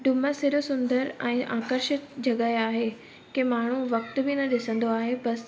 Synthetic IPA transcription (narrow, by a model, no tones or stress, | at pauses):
ɖʊməsɪɾʊsʊ̃nd̪əɾɛ̃ːʔã̰ːkəɾʃɪt̪d͡ʑɐɠəɦeaːɦe | kemaːɳ̤uʋɐk̚t̪bɪnɐɗɪsə̃nd̪oaːɦebɐs